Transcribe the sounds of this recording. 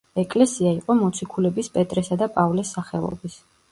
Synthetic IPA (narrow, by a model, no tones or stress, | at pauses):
ɛkʼlɛsiaiqʼɔmɔt̪sʰikʰulɛbispʼɛt̪ʼɾɛsad̪apʼavlisːaχɛlˠɔ̰bis